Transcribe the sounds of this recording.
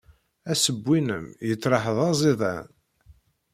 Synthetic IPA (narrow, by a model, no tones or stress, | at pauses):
æsəbʷːinə̰mjət͡sːɾˤɑħəðˤɑzˤiðˤæ̰n